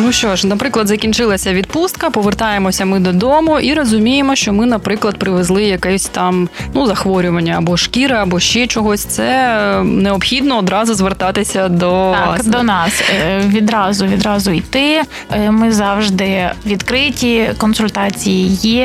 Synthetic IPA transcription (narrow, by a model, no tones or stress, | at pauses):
nuʃt͡ʃɔʃnɐpɾɪklˠɐd̪zɐkʲint͡ʃɪlˠɐsʲɐʋʲid̪̚pust̪̚kɐpɔʋert̪ɑjemɔsʲɐmɪd̪ɔd̪ɔmʊʔiɾɔzʊmʲijemɔʃt͡ʃɔmɪnɐpɾɪklˠɐd̪̚pɾɪʋezlˠɪjɐkɛsʲt̪ɑmnuzɐxʋɔɾʲʊʋɐnʲːɐːbɔʃkʲiɾɪɐbɔʃt͡ʃɛt͡ʃɔɦɔsʲt̪sɛneɔpxʲid̪nɔːd̪ɾɑzʊzʋert̪ɑt̪ɪsʲɐd̪ɔd̪ɔnɑsʋʲid̪ɾɑzʊʋʲid̪ɾɑzʊit̪ɪ | mɪzɑwʒd̪ɪʋʲid̪kɾɪtʲikɔnsʊlʲt̪ɑt͡sʲijiji